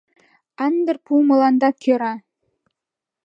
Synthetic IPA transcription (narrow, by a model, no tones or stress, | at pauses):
ænd̪ɘ̆rpumɤ̆lɑnd̪ɑkʰøɾɑ